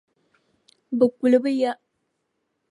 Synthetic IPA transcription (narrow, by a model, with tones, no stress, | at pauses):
bɨ˨ku˨lɨ˨bɨ˦ja˦ʔ